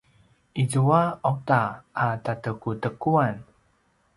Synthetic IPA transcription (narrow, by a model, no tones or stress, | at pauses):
ʔizuaotaʔatatəkutəkuan